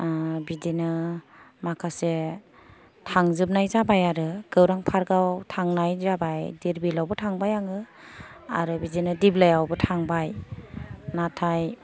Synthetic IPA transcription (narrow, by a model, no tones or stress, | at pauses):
bidenɯmakʰase | tʰaŋzɯp̚najzabajaɾɯɡ̥ɯwɾaŋpʰaɾɡawtʰaŋnajzabajdiɾbilawbɯtʰaŋbajaŋɯ | a̰ɾɯbidenɯdiblajawbɯtʰaŋbaj | natʰaj